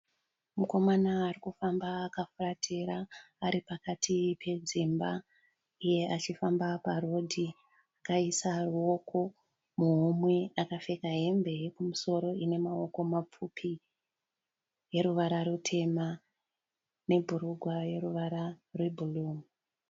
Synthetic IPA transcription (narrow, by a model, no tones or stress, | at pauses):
muko̞manaːrikufambaːkafuratʰeɾaː | ɾipakatʰipʰe̞d͡zimba | ije̞ʔat͡ʃifambaparo̞dʱi | akaisaruo̞ko̞ | muɦumweakafe̞kaɦe̞mbe̞ekumuso̞ɾo̞ine̞mao̞ko̞map͡fupʰi | je̞ɾuʋaɾarutʰe̞ma | ne̞bʱuɾuɡʱwaje̞ruʋaɾarwe̞bʱuluːmu